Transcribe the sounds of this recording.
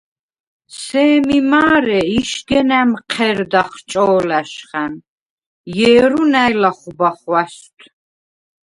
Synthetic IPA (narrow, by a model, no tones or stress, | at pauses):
sɛːmimaːɾɛiʃɡɛnæmqʰɛɾd̪aχt͡ʃʼɔːlæʃχan | jɛːɾunæjlaχubaχwast̪ʰ